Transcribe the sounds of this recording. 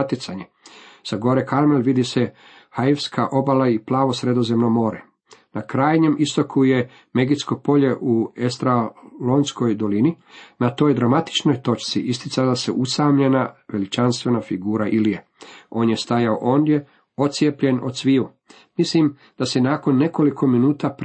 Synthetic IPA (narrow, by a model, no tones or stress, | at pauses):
t̪jit̪saɲe | saɡo̞ɾekaɾmelʋid̪ise̞ | hajiʋskʰaʔo̞balaiplaːʋo̞sɾe̞d̪o̞ze̞mnomo̞ːɾe | nakɾaːjɲe̞mʔist̪o̞kʰuje̞ | meɡit̪sko̞po̞ʎe̞ʔuest̪ɾalonsko̞jd̪o̞lininat̪o̞ːjd̪ɾamat̪i̥t͡ʃno̞jt̪o̞t͡ʃt̪siʔist̪it̪salasḛʔusaːmʎe̞naʋe̞lit͡ʃanst̪ʋe̞nafiɡuːɾaʔilijeo̞ːnje̞st̪ajao̰ʔo̞nd̪je̞ | o̞t̪sjepʎe̞no̞sʋiu | mislim | d̪̥asenaːko̞nːe̞ko̞likʰo̞minuːt̪ap